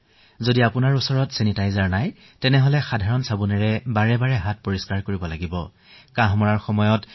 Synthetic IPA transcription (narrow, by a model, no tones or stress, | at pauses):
zodiapʊnaɹusɔɹɔtsenitajzaɹnaj | tɛnɛɦɔlɛxadʱaɹɔnsabunɛɹɛbaɹɛbaɹɛɦat̚poɹiskaɹkoɹibɔlaɡibɔ | kaɦmɔɹaɹxɔmɔjɔt